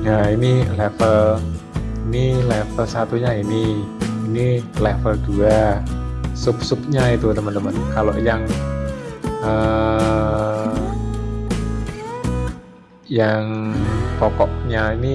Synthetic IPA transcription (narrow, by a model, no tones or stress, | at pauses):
ɲainilɛfəl | inilɛfəsat̪uɲainiinilɛfəldua | sup̚sup̚ɲait̪ut̪əmant̪əmankalɔʔjaŋ | ʔə | jaŋpɔkɔʔ̚ɲaini